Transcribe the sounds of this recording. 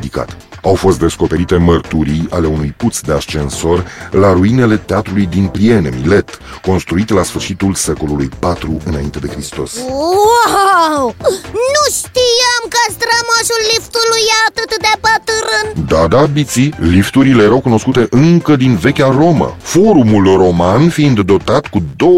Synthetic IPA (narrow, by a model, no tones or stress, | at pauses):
d̪ika̰t̪ | awfo̞st̪d̪e̞sko̞pe̞ɾit̪e̞mərt̪uɾiale̞unujput̪sd̪e̞ast͡ʃe̞nso̞rlaɾuine̞le̞t̪eat̪ɾulujd̪inplie̞ne̞mile̞t̪ | ko̞nst̪ɾuit̪lasfɨrʃit̪ulse̞ko̞lulujpat̪ɾuɨnaint̪e̞d̪e̞kɾist̪o̞̰swawnuʃt̪ijamkəst̪ɾəmaʃulːift̪ulujaːt̪ɨt̪d̪eapət̪ɨɾɨnd̪ad̪abit̪silift̪uɾile̞jeɾawkuno̞skut̪e̞ʔɨŋkəd̪inve̞kʲaro̞mə̰fo̞ɾumulro̞manfiind̪ːo̞t̪at̪kud̪o̞